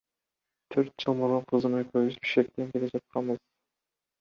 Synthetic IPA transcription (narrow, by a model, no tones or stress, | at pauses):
t̪ʰøɾt̪̚d͡ʒɯlˠmoɾoɴqʰɯzɯmøkøβyzbi̥ʃkek̚t̪eŋkʲe̞led͡ʒɑt̪̚qɑnbɯz̥